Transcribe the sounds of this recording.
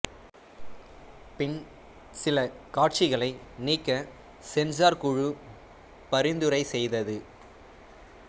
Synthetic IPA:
pɪn | sɪlɐkaːʈ̚t͡ʃɪɣɐɭɐɪniːkːɐ | sɛnd͡ʒaːɾkʊɻɯ | pɐɾɪnd̪ɯɾɐɪsɛjðɐðɯ

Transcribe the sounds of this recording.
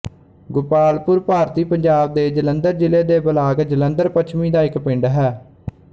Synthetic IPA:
ɡʊpaːlpʊɾpaːɾt̪iːpəɲd͡ʒaːb̚d̪eːd͡ʒələnd̪əɾd͡ʒɪleːd̪eːbəlaːɡd͡ʒələ̃nd̪əɾpət͡ʃʰmiːd̪aːɪkpɪ̃ɳɖɦɛː

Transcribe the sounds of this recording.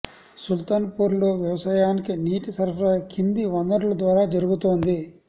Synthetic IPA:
sult̪anɐpuːɾloːʋjɐʋɐsaːjaːnikiniːʈisɐɾʋɾɐkʰind̪iʋɐnd̪ɐɾlɐd̪ʋaːɾaːd͡ʒɐɾuɡut̪oːnd̪i

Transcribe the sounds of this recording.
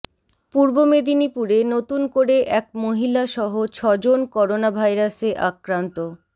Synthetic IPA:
puɾbomed̪inipuɾenot̪unkoɾeʔɛk̚moɦilaʃɔɦot͡ɕʰɔd͡ʑonkɔɾonabʱajɾaseʔakɾant̪o

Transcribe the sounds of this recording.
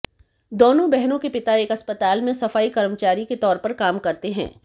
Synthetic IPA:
d̪oːnõbɛɦnõkepɪt̪aeːkɐspət̪aːlmẽsɐfaːikɐɾmət͡ʃaːɾiket̪ɔːɾpɐɾkaːmkɐɾt̪eɦɛ̰̃ː

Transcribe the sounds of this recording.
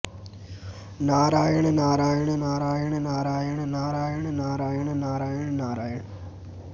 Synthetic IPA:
naːɾaːjɐɳɨnaːɾaːjɐɳɨnaːɾaːjɐɳɨnaːɾaːjɐɳɨnaːɾaːjɐɳɨnaːɾaːjɐɳɨnaːɾaːjɐɳɨnaːɾaːjɐɳɨ

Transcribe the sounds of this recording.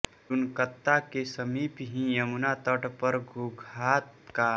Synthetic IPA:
ʊnkət̪ːakesəmiːpɦĩjəmunat̪əʈpəɾɡʱuɡʱaːt̪ka

